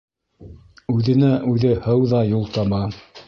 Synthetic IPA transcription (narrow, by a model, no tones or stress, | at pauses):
ʉðɘ̆næʔʉðɘhɤwðɑjulˠt̪ɑmɑ